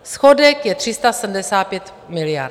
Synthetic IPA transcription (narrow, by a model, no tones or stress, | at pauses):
sxodɛkjɛt̪r̝̥ɪst̪asɛdm̩dɛsaːt̪̚pjɛt̪ | mɪlɪja̰